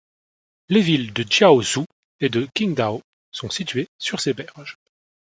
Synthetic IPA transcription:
levild̪ət͡ʃaozu | ed̪əkʲiŋd̪ao | sɔ̃sit̪ɥesyʁsebɛʁʒ

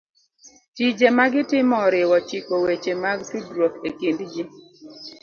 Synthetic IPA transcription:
t͡ʃid͡ʒemaɡɪtɪmɔɾɪwɔt͡ʃikowet͡ʃemaɡsudɾokekindd͡ʒi

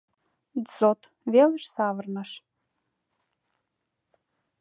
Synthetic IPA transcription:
zot̪ | veləʃsɑvərnəʃ

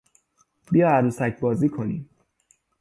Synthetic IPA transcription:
bijɒæɾusæcʰbɒːziːkʰo̞niːm

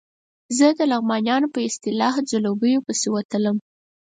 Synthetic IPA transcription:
zəd̪əlaɣmɑnjɑnopəɪst̪ɪlɑhd͡zalobəjopəsewat̪ələm

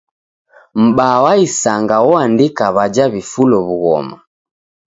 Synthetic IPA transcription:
m̩bawaisaŋɡawɔandikaβad͡ʒaβifulɔβuɣɔ̰ma

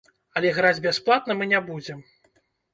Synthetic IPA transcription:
ɐlʲɛɣɾad͡zʲbʲasplˠat̪nɐmɨnʲɛbud͡zʲɛm

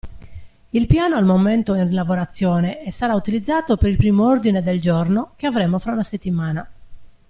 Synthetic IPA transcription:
ilpjaːnoalmoment̪oinrlavoɾat̪sːjɔːneɛsːaɾaut̪ilid̪zːaːt̪opeɾilpɾiːmoord̪ined̪eld͡ʒornokeavɾemofɾaunaset̪ːimaːna

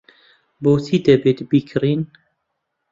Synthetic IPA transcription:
boːsiːd̪ɛbeːt̪biːkʰɨɾiːn

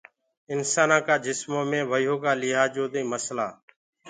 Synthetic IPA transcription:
ɪnsaːnãːkaːd͡ʒɪsmoːmẽːʋəjoːkaːlɪɦaːd͡ʒoːd̪ĩːməsla̰ː

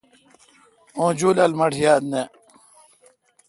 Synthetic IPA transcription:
õːd͡ʑulɐlmɐʈʰjaːd̪̚ne

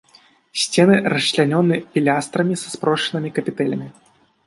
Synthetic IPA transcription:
sʲt͡sʲɛnɨɾɐɕt͡ɕlʲanʲɔnːɨpʲilʲast̪ɾɐmʲisɐ̥spɾɔʂɨnɨmʲikɐpʲit̪ɛlʲɐmʲi

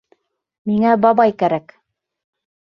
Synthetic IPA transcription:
miŋæbɑbɑjkæɾæk

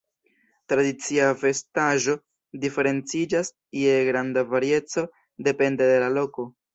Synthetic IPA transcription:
tɾadit͡siafe̞staʒo̞ | dife̞ɾe̞nt͡sid͡ʒas | ieɡɾandavaɾie̞t͡so̞ | de̞pe̞nde̞de̞lalo̞ko̞

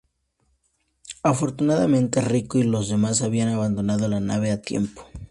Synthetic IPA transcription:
afo̞ɾt̪unaðamẽnt̪erikoilo̞zðe̞masaβianaβand̪o̞nað̞olanaβ̞e̞at̪jḛmpo̥

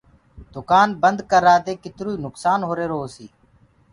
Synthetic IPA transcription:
d̪ʊkaːnbənd̪kəɾːaːt̪eːkɪt̪ɾuːiːnʊksaːnɦoːɾeːɾoːsḭː

